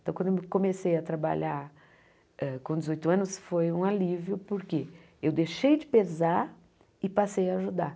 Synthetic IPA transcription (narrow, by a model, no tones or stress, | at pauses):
t̪ɐ̃kd̪emkõmesejɐt̪ɾaba̰ʎaɾ | ɛkõd͡ʒɪzojt̪ʊɐ̃nʊsfojũalivjʊpoɾke | ewd̪eʃejd͡ʒɪpezaɾ | ɪpasejaːʒud̪aɾ